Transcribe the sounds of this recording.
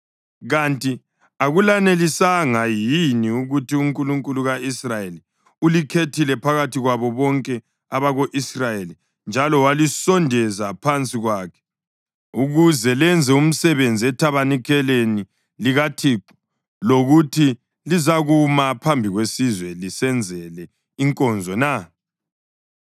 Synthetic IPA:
ɣantʼi | aɣulanelisaŋajiniuɣutiuŋkʼuluŋkʼuluɣaisrajeli | ulikʰetʰilɛpʰaɣatiɣwaβɔβɔŋkʼɛ | aβaɣoʔisrajeli | nd͡ʒʱalɔwalisɔndʱɛzapʰant͡sʼiɣwakʰɛ̥ | uɣuzɛlɛnd͡zʱɛum̩sɛβend͡zʱiɛtʰaβanikʰɛleni | liɣatʰiːǃu̥ | loɣutʰi | lizaɣumapʰambʱiɣwesizwɛlisɛnd͡zʱɛlɛ | iŋkʼɔnd͡zʱɔna

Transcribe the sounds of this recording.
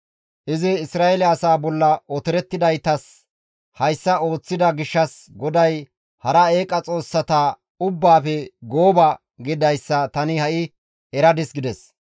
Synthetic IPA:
ʔɪzɪːsɾaːelɪɐsaːbɔlːɐɔt̪ɛɾɛt̪ːɪd̪ɐjt̪ɐs | hɐjsːɐo̞ːt͡sːɪd̪ɐɡɪʃːɐs | ɡɔd̪ɐj | hɐɾɐe̞ːkʼɐt͡sʼo̞ːsːɐt̪aː | ʊbːaːfɛɡo̞ːbɐ | ɡɪd̪ɐjsːɐt̪ɐnɪhɐʔɪ | ɛɾɐd̪ɪsɡɪd̪ɛs

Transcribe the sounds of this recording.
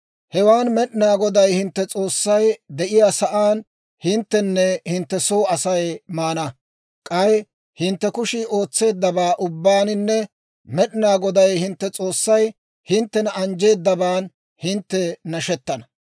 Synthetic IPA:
hɛwaːnmɛɗɪnaːɡɔd̪ɐjhɪnt̪ːɛt͡sʼo̞ːsːɐjd̪ɛʔɪjaːsɐʔaːn | hɪnt̪ːɛnːɛhɪnt̪ːɛso̞ːɐsɐjmaːnɐ | kʼɐj | hɪnt̪ːɛkʊʃɪʔo̞ːt͡sːe̞ːd̪ːɐbaːʔʊbːaːnɪnːɛ | mɛɗɪnaːɡɔd̪ɐjhɪnt̪ːɛt͡sʼo̞ːsːɐj | hɪnt̪ːɛnɐɐnd͡ʒe̞ːd̪ːɐbaːn | hɪnt̪ːɛnɐʃɛt̪ːɐnɐ̥

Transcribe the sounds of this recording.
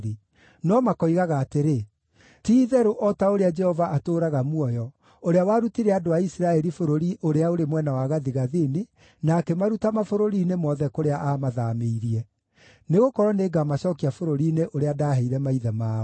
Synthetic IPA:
ɾi | nɔmakɔiɣaɣaːteɾe | tiːðɛɾoʔɔtaoɾead͡ʒɛhɔvaʔatoːɾaɣamwɔjɔ | oɾeawaːɾutiɾɛadoaisiɾaɛɾifoɾoɾiʔoɾeaoɾemwɛnawaɣaðiɣaðeni | nakɛmaɾutamafoɾoɾiːnemɔðɛkoɾeaʔamaðameiɾiɛ | neɣokɔɾɔneːɡamaɕɔkiafoɾoɾiːneʔoɾeadaːɦɛiɾɛmaiðɛmaː

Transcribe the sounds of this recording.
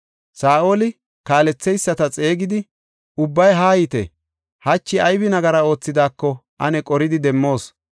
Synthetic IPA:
saːʔo̞ːlɪ | kaːlɛt͡sːɛjsːɐt̪ɐt͡sʼe̞ːɡɪd̪ɪ | ʊbːɐjɦaːjɪt̪ɛ̰ | hɐt͡ʃːɪɐjbɪnɐɡɐɾɐo̞ːt͡sːɪd̪aːkːɔʔɐ̰nɛkʼɔɾɪd̪ɪd̪ɛmːo̞ːs

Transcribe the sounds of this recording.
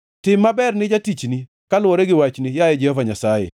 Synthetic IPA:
tɪmːabɛrnɪd͡ʒatit͡ʃni | kalwɔɾɛɡɪwat͡ʃnɪjajɛd͡ʒɛhɔvaɲasajɛ̰

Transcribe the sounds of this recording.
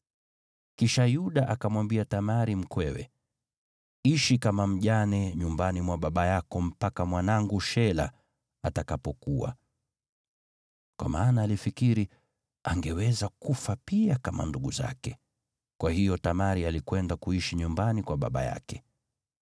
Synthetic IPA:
kiʃajuɗaʔakamwambiatamaɾim̩kwɛwɛ̰ | iʃikamam̩ʄanɛɲumbanimwaɓaɓajakɔm̩pakamwanaŋɡuʃɛla̰ | atakapɔkuwa̰ | kwa̰maːnaːlifikiɾi | aŋɡɛwɛzakufapiakama̰nduɡuza̰kɛ | kwahijɔtamaɾialikwɛndakuiʃiɲumbanikwaɓa̰ɓa̰ja̰kɛ̥

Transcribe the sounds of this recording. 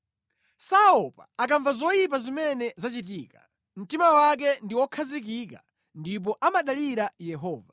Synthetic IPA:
saɔpaːk̬aɱvazɔjip̬azimɛnɛzat͡ʃit̬iːka | m̩timawak̬ɛndiwɔkʰazik̬ika̰ | ndip̬ɔʔamaɗaliɾajɛɦɔːva

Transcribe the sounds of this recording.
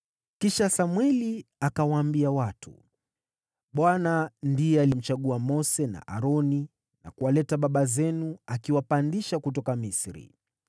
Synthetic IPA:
kiʃasamwɛliakawaːmbiawatṵ | ɓwanandijɛalim̩t͡ʃaɠuamɔsɛna̰ʔa̰ɾɔni | na̰kuwalɛtaɓaɓazɛnuakiwapandiʃakut̬ɔkamisɾḭ

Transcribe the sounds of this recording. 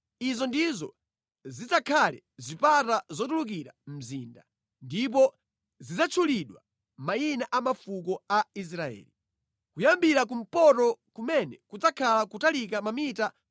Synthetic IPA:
izɔndizɔ̰ | zit͡sakʰalɛ̰ | zʷipatazɔtuluk̬iɾam̩ziːnda | ndip̬ɔ | zid͡zat͡ʃʰuliɗwa | mainaʔamafuk̬ɔais̬ɾaɛ̰ːli | kujambiɾak̬um̩pɔtɔkumɛnɛkud͡zakʰalakutalik̬amamita

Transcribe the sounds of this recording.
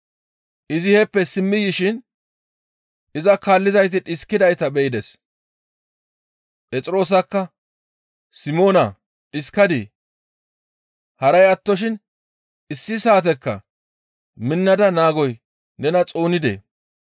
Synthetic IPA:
ʔɪzɪhɛpːɛsɪmːɪjɪʃɪn | ɪzɐkaːlːɪzɐjt̪̬ɪᶑɪskːɪd̪ɐjt̪ɐbɛɪd̪ɛs | pʼɛt͡sʼɪɾo̞ːs̬ɐkːɐ | sɪmo̞ːnɐ | ᶑɪskɐd̪ḭ | hɐɾɐjɐt̪ːɔʃ̬ɪn | ɪsːɪsaːt̪̬ɛkːɐ̰ | mɪnːɐd̪ɐnaːɡɔj | nɛnɐt͡sʼo̞ːnɪd̪ḛː

